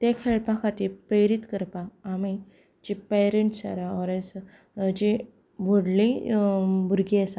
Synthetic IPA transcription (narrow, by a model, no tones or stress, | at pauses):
t̪ekʰeɭpãkʰat̪ipɾeɾit̪kəɾpaːmi | d͡ʑipeɾeɳʈsa̰ɾaɔɾes | d͡ʑe | bʱoɽlĩ | bʱuɾɡiasa